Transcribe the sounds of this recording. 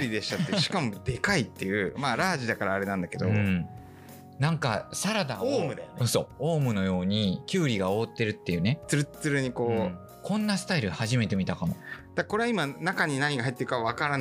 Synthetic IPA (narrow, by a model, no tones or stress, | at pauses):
ɾʲid̪e̞ɕi̥t̪at̪ːeɕi̥kamo̞d̪̥e̞kait̪ːe̞jɯ̟maːɾaːʑid̪akaɾaːɾe̞nãnd̪ake̞d̪õ̞̰ | nãŋka̰saɾad̪aoːmɯ̟d̪ajoso̞̰ːoːmɯ̟no̞jo̞ːɲ̟ikʲɨːɾʲiɡao̞ːt̪ːe̞ɾɯ̟t̪ːe̞jɯ̟ːne̞t͡sɨɾɯt͡sɨɾɯ̟ɲ̟iko̞ː | kõ̞nːasɨ̥t̪aiɾɯ̟haʑime̞t̪e̞mʲit̪akamo̰d̪̥akko̞ɾe̞aimanakaɲ̟inaɲ̟iɡaɦait̪ːeɾɯkaββakaɾan